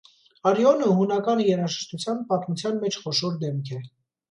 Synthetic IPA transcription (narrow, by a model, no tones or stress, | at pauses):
ɑɾjɔnəɦunɑkɑnjɛɾɑʒəʃt̪ut͡sʰjɑn̚pɑt̪mut͡sʰjɑnmɛt͡ʃʰχɔʃɔɾd̪ɛmkʰɛ